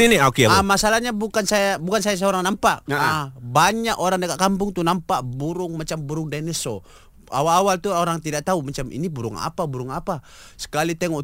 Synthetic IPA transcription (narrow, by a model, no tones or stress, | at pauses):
iniakiaamasalahɲabukansajabukansajas̬ɛoɾaŋnampaʔbaɲakoɾaŋdakaʔ̪̚kampʊŋt̪unampaʔbuɾʊŋmat͡ʃambuɾʊŋdanɛsɔ | a̰walːwalt̪uoɾaŋt̪idaʔ̚t̪aumat͡ʃamʔḭnibuɾʊŋa̰pabuɾʊŋapa | sə̥kalit̪ɛŋɔʔ